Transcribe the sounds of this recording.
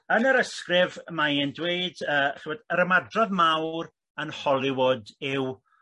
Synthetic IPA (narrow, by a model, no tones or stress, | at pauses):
ənəɾəskrɪvmajɛndweɨdəːχɪbɔdəɾəmadrɔðmawr | ənhɔlˠɪwʊdɪw